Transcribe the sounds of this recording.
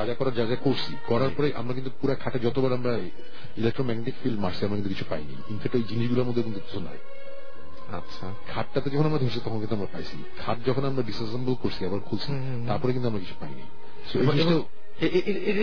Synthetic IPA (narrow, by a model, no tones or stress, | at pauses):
ad͡ʑakɔɾaɾd͡ʑad͡ʑakoɾt͡ɕʰikɔɾaɾpɔɾejʔa̰mɾakint̪upuɾakʰaʈed͡ʑɔt̪obɛloamɾa | ilek̚ʈɾomɛɡneʈikfilɖmaʃt͡ɕʰiamɾakinukit͡ɕʰu̥pajnḭjimfɛk̚ʈojd͡ʑiniʃɡulaɾmod̪ʱːekint̪ut̪ɔt̪ʰona̰j | a̰tːɕʰa | kʰaʈːat̪ed͡ʑɔkʰonamɾad̪ʱoɾt͡ɕʰit̪ɔkʰonkint̪uamɾapajt͡ɕʰḭ | kʰaʈ̚d͡ʑɔkʰonamɾaɖisassambolkoɾt͡ɕʰiɛbaɾkʰult͡ɕʰi | t̪aɾpɔɾekint̪uamɾak̬it͡ɕʰu̥pajnḭj | soeoe | eeʔ | e